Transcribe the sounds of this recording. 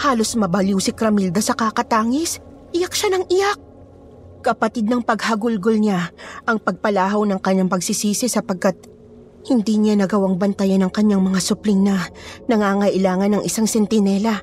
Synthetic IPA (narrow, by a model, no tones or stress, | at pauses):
haːlo̞smɐbɐljuwsɪkɾɐmild̪ɐsɐkakɐt̪aːŋɪs | ʔɪjak̚ʃanɐŋʔɪjak̚ | kɐpɐt̪id̪̚nɐŋpɐɡhɐɡʊlɡolɲaʔɐŋpɐɡ̚pɐlaːɦɐwnɐŋkɐɲːaŋpɐɡsɪsiːsɪsɐpɐɡ̚kat̪̚ | hɪnd̪iɲanɐɡɐwaŋbɐnt̪ɐjɐnɐŋkɐɲːaŋmɐŋasʊplɪŋnɐnɐŋaːŋɐʔɪlaːŋɐnːɐŋʔɪsaŋsɛnt̪ɪnɛlɐ